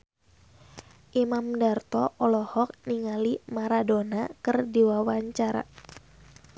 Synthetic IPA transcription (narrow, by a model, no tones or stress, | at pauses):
ʔimamdart̪ɔʔɔlɔhɔk̚niŋalimaɾadonakɨrdiwawaɲt͡ʃaɾa̰